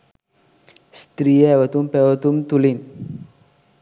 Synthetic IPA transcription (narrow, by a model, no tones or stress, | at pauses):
st̪ɾijɛʋət̪umpɛʋət̪uːmt̪ulin